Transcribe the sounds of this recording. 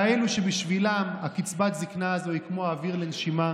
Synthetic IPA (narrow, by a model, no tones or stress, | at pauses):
eluʃebiʃvilamakit͡sbat̪ziknaazoikmoaːviʁlenʃima